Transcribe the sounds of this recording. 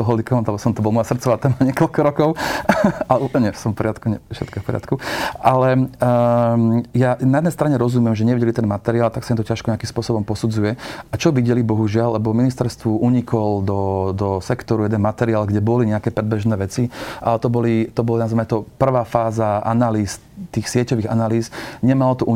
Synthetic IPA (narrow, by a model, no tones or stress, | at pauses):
ɔɦɔlikɔnt̪alɛbɔsɔmt̪ɔbɔlamɔjasr̩t̪t͡sɔʋaːt̪ɛːmaɲɪɛkɔlkɔɾɔkɔʊ | alɛupl̩ɲɛsɔmfpɔɾɪat̪kuɲɛfʃɛ̰t̪kɔfpɔɾɪa̰t̪kuʔalɛ | janajɛd̪nɛjst̪ɾaɲɛɾɔzumɪjɛmʒɛɲɛʋiɟɛlit̪ɛnmat̪ɛɾiaːlt̪aksaimt̪ɔcaʃkɔɲɛakimspʊɔsɔbɔmpɔsud͡zujɛat͡ʃɔʋiɟɛlibɔɦuʒɪalːɛbɔminist̪ɛɾst̪ʋuʔuɲikʰɔld̪ɔd̪ɔsɛkt̪ɔɾujɛd̪ɛnmat̪ɛɾiaːlɡɟɛbɔliɲɛakɛːpɾɛd̪bɛʒnɛːʋɛt͡siʔa̰lɛt̪ɔbɔlit̪ɔbɔlanazmɛɛt̪ɔpr̩ʋaːfaːzaa̰naliːs | t̪iːxsɪɛcɔʋiːɣanaliːzɲɛmalɔt̪ɔʔu